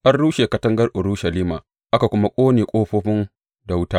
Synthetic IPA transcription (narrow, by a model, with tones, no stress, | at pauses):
ʔa˦rɽuː˦ʃeː˨kɐ˦tɐ˦ŋɡɐ˦rʔʊ˨ɾu˦ʃɐ˨liː˦maː˨ | ʔa˦ka˨kʷʊ˦ma˦kʷʼoː˦neː˨kʷʼoː˦ɸoː˦ɸɪ˦n | da˨wʊ˦taː˦